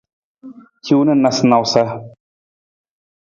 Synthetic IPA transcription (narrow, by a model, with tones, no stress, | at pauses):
kʰʲi˦wnɨ˦na˨sna˨wsa˦